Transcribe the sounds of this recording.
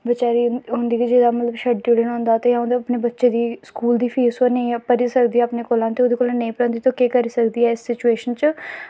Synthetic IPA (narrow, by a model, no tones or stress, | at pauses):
ʋɪt͡ʃaːɾiɦʊ̃nd̪iːkid͡ʒɪd̪aːmət̪ləbʃəʈʈuːɽənɔ̃ːnd̪aːt̪eːjãɦõnd̪aəpneːbətːʃeːd̪iːskuːld̪iːpʰeːsoːnəĩːpəɾiːsəkd̪iːaːpneːkoːlãːt̪eːʊd̪eːkolãːnəĩːpəɾə̃ːnd̪iːt̪õːkeːkəɾiːsəkd̪iːɛːɪsːɪt͡ʃueːʃənt͡ʃ